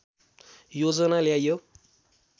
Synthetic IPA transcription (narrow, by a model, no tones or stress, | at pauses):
jod͡zʌnaljajo